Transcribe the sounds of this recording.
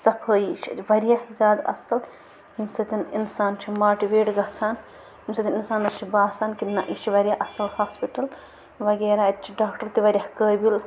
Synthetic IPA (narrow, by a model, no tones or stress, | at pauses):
sɐpʰəːjit͡ʃʰiʋɐɾjɐhzaːd̪ɐ̰sɐl | himsɐt̪ininsaːnt͡ʃʰimaːʈiʋeːʈɡɐt͡sʰaːn | himsɐt̪ininsaːnɐt͡ʃʰibaːsaːnkinːɐʔit͡ʃʰiʋɐɾjaʔɐsɐlhaːspiʈɐl | ʋɐɡeːɾaːɐt͡ʃʰiɖaːkʈɐɾt̪iʋɐɾʲjɐhkəːbil